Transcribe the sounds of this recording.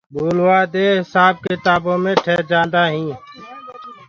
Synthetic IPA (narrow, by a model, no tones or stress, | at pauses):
bʱuːlwaːd̪eːɦɪsaːb̚kɪt̪aːbõːmẽʈʰɛːd͡ʒãːnd̪aːɦĩː